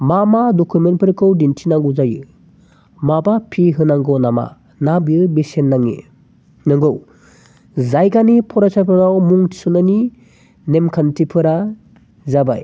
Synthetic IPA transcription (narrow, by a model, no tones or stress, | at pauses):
mamadɔkʰumenpʰɯɾkʰɯwdintʰinaŋɡuzajɯ | mabapʰiɦɯnaŋɡɯwnama̰ | nabiɯbesenːaŋḭ | nɯŋɡɯw | zajɡanipʰɔɾasʰapʰɯɾawmuŋtʰi̥sɔnani | nemkʰantʰipʰɯɾa | zaba̰j